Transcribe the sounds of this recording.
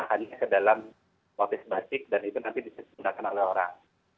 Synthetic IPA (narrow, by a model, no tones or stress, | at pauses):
ahaɲakədalam | pat̪ɪsbasɪk̚danit̪unant̪idisəunakanolɛhoɾa̰ŋ